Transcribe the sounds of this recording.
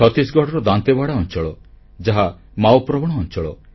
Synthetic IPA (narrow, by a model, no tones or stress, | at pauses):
ɔt̪isɡʱɔɽɔɾɔd̪ant̪ebaɽaɔnt͡ʃɔɭɔ | d͡ʒaɦa | mawpɾɔbɔɽ̃ɔːnt͡ʃɔɭɔ̰